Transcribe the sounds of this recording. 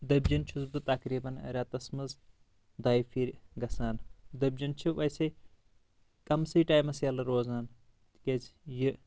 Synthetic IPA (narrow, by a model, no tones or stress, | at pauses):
d̪ɐbd͡ʒɐnt͡ʃʰuzb̪ɨt̪ɐkɾiːbɐnɐ̰ɾʲaːt̪ɐsmɐz | d̪ɐːjfʰiɾʲɡɐsaːnd̪ɐb̚d͡ʒɐnt͡ʃʰiʋɐjsɐj | kɐmsɨʈaːjmɐsjɐlɨɾoːzaːn | t̪iket͡sʰjɨ